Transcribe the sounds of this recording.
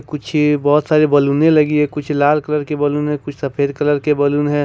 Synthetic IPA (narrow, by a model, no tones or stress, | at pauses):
kʊt͡ʃʰbɔːt̪saːɾebɐlunẽlɐɡiɦɛkʊt͡ʃʰlaːlkələɾkebəlunɦɛ̃kʊt͡ʃʰsɐpʰeːɾkələɾkebɐlunɦɛ̃